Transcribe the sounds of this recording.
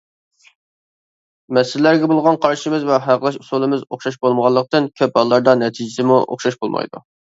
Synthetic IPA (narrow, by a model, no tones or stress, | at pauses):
mɛsɪllæɾɡʲɛbolˠʁɑnqʰɑɾʃimɪzvɛɦæqəlˠɑʃusulˠɨmɪzo̰χʃɑʃbolˠməʁɑlˠːəq̚t̪ɨnkʲʰøp̚bɑlˠːɑɾd̪ɑnɛt̪ʰid͡ʒɪsɪmuʔo̰χʃɑʃbolˠmɑ̰jd̪ṵ